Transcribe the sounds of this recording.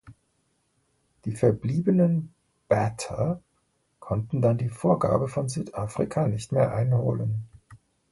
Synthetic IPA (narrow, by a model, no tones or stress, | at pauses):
d̥iːfɛɐbliːbənən | b̥ɛtʰɐ | kʰɔntn̩dandiːfoːɐɡa̰ːbəfɔnzyːtʔaːfʁ̥ikʰanɪçtmeːɐʔaɪnho̰ːlən